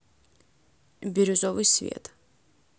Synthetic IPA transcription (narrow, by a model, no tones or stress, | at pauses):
biɾuzɔvisvḭɛ̰t̪ʰ